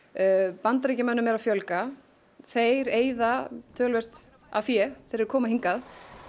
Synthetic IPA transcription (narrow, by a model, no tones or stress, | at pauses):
pant̪ɾecɪmœnːʏmːɛɾawfjœlka | θejɾeːjðat̪ʰœːlvɛr̥t̪ | afjɛθɛɾɪɾkʰɔːmaɦiŋkað